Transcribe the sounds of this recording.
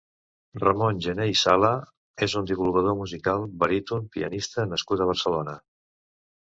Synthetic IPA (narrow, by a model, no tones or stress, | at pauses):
rəmonʲʒəneisalə | ezund̪iβulɣəð̞omuzikalˠβəɾit̪unpḭə̰nist̪ənəskut̪əβ̞əɾsəlonə